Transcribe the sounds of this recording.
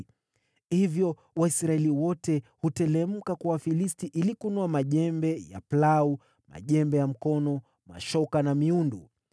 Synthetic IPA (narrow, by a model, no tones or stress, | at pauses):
hivjɔ | waisɾaɛliwɔtɛhutɛlɛm̩kakuwafilistiʔilikunuamaʄɛmbɛja̰plau | ma̰ʄɛmbɛjam̩kɔnɔ | ma̰ʃɔkanamiundu